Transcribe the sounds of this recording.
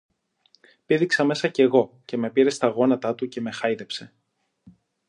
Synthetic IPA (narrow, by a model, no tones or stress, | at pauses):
piðiksɐme̞sɐce̞ɣo̞ | ce̞me̞piɾe̞st̪ɐɣo̞nɐt̪ɐt̪uce̞me̞xɐiðe̞pse̞